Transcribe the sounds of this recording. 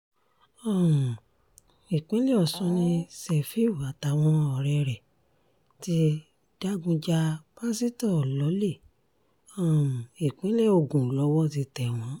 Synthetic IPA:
ɔ̃˦˨ | i˨k͡pĩ˦le˦ɔ˨sɔ̃˧nĩ˧sɛ˧˨fi˦u˨a˨ta˨w̃ɔ̃˦ɔ˧˨ɾɛ˧ɾɛ˨ | ti˧ | d̥a˦ɡũ˧d͡ʒa˧ba˦si˦tɔ˦˨lɔ˨˦le˦˨ | ɔ̃˦˨i˨k͡pĩ˨˦le˦˨o˧˨ɡũ˨lɔ˨˦wɔ˦ti˧tɛ˨w̃ɔ̃˨˦

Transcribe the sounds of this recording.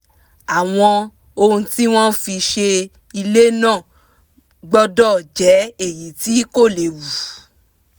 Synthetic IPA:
a˨w̃ɔ̃˧ | o˧ũ˧ti˦w̃ɔ̃˦fi˧ʃe˧ | i˧le˦nãː˦˨ | ɡ͡bɔ˦dɔ˦˨d͡ʒɛ˨˦e˦˨ji˨˦ti˦ko˦˨le˨wu˨

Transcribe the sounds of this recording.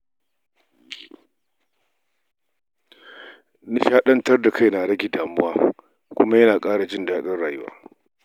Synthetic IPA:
na˦ʃaː˦ɗɐ˦ntɐ˦rda˨ka˦jna˨ɽɐ˦ɡʲɪ˨daː˨mʊ˦waː˦ | kʷʊ˦ma˦jɐ˦naː˨kʼaː˦ɽa˨d͡ʒɪ˦ndaː˦ɗɐ˦rɽaː˨jʊ˦wa̰ː˦

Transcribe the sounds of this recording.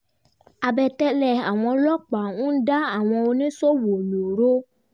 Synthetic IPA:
a˧bɛ˧tɛ˦lɛ˨a˨w̃ɔ̃˧lɔ˦k͡pa˨ũ˦da˦a˦˨w̃ɔ̃˧o˧nĩ˦so˦wo˨nũ˨ɾo˦

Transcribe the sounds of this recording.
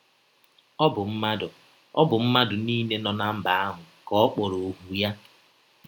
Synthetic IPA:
ɔ˦bʊ˨m̩˦ma˦dʊ˨ | ɔ˦bʊ˨m̩˦ma˦dʊ˨niː˦ne˦nɔ˨na˦m̩˦ba˨a˦ɦʊ˨kɔ˨˦ɔ˦k͡po˨ɾo˨ɦu˨ja˦

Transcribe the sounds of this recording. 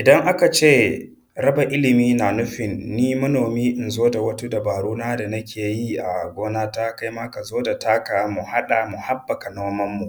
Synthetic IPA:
ʔɪ˨dɐ˦ŋʔa˦ka˨t͡ʃeː˦ | ɾɐ˦ba˨ʔɪ˦lɪ˨miː˦na˨nʊ˦ɸɪ˨nːiː˦mɐ˦noː˨miː˦ʔɪ˨nzoː˦da˨wɐ˦tu˦da˨baː˨ɽuː˦naː˦da˨nɐ˦kʲeː˨ji˦ʔa˨ɡʷoː˦naː˦ta˦ka˦jmaː˦ka˨zoː˦da˨ta˦ka˨mu˨ha˦ɗa˨mʊ˨ha˦bːɐ˨ka˨noː˦mɐ˦mːu˨ʔ

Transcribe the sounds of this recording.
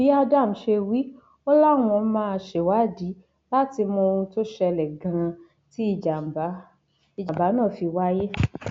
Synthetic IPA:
bi˨˦a˧da˦˨m̩˨ʃe˧wi˨˦ | o˦la˦˨w̃ɔ̃˧˦mãː˦˧ʃe˨wa˨˦˨di˨˦ | la˦ti˧mɔ̃˧o˧ɾũ˧to˦ʃɛ˧lɛ˨ɡã˨˧ɾ̃ã˧ | ti˦i˦˨d͡ʒa˨m˨ba˨˦ | i˨d͡ʒa˨ba˨˦nãː˦˨fi˧wa˦je˦

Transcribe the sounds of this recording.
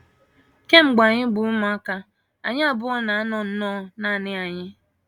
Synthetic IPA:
ke˦ŋ͡m̩˨ɡ͡ba˨ɲɪ˦ɡ͡bu˨˦mɔ˨a˦ka˦ | a̰˨ɲɪ˦a˦bʊ˦ɔ˦na˨a˦nɔ˨n̩˦nɔ˦na˦˨nɪ˦a˨ɲɪ˦

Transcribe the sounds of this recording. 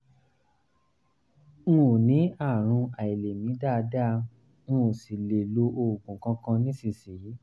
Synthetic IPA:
ŋũ˦˨nĩ˨˦a˦˨ɾ̃ũ˧a˨i˨le˨mĩ˨˦da˦˨˧da˦ | ŋũ˦˨si˨le˨lo˧ʔo˧˨ɡũ˨kã˧kã˧nĩ˦sĩ˦˨si˨˦

